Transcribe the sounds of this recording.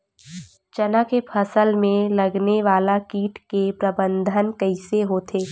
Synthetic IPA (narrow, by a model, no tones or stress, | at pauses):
t͡ʃɐnakepʰɐsəlmẽlɐɡneʋaːlakiːʈkepɾɐbə̃nd̪ʱənkəɪseɦoːt̪ʰeː